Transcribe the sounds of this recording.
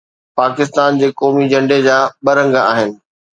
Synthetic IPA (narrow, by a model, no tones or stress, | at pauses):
paːkɪst̪aːnd͡ʑeːkɔːmid͡ʑɐ̃ɳɖed͡ʑaːɓɐɾə̃ŋɡaaːɦɪnɪ̆